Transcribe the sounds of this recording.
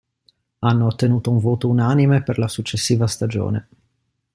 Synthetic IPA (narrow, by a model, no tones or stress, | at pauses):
anːoːt̪ːenuːt̪ouɱvoːt̪ounanimeperlasut͡ʃːesːiːvast̪ad͡ʒo̰ːnḛ